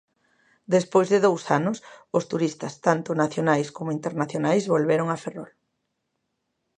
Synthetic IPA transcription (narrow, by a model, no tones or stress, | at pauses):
d̪espojzðɪðowsanʊsʊst̪uɾist̪ɐst̪ant̪ʊnaθjonajskomʊint̪eɾnaθjonajzβolβeɾoŋaferɔl